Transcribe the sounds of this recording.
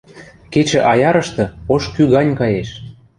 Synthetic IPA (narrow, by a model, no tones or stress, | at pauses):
ket͡ɕĕʔɑjɑɾɤ̆ʃt̪ɤ̆oʃkyɣɑnʲkɑjeʃ